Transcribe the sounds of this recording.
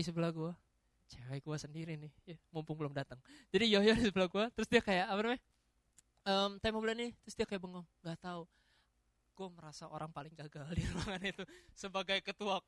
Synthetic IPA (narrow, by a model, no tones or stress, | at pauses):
isəbəlaɡua | t͡ʃewɛjɡuasəndiɾinɪhjamumpʊŋbəlʊmdat̪əŋd͡ʒadijojanisəbəlaɡuat̪əɾʊsdiakajaapəɾmɛ | əmt̪amabəlanɪht̪əɾʊsdiakajaʔbəŋɔŋŋɡat̪au | ɡ̥uaməɾasaʔo̰ɾʔaŋpalɪŋɡaɡallirwaŋanit̪usəbaɡajkət̪uak̚